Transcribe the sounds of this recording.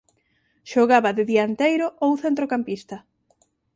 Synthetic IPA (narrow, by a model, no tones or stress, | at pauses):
ʃoɣaβɐðɪðiaɐent̪ejɾʊʔowθent̪ɾokampist̪ɐ